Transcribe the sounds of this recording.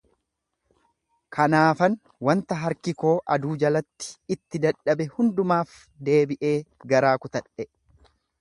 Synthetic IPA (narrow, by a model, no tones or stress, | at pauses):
kʰɐnaːfɐn | wɐnt̪ɐɦɐɾkɪko̞ːʔɐd̪uːd͡ʒɐlɐt̪ːɪ̥ːt̪ːɪd̪ɐᶑːɐbɛhʊnd̪ʊmaːf | d̪e̞ːbɪʔe̞ːɡɐɾaːkʊt̪ɐᶑɛ